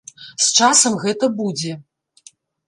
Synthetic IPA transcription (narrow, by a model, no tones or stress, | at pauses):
st͡ʂasɐmɣɛt̪ɐbud͡zʲɛ